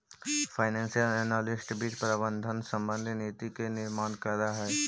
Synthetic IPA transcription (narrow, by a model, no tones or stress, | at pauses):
fʰaːɪnɛ̃ːnsijəlɛnaːlɪsʈbiːt͡ʃpɾabə̃nd̪ʱənsə̃mbə̃nd̪ʱineːt̪ikenɪɾmaːnkəɾd̪aɦɛː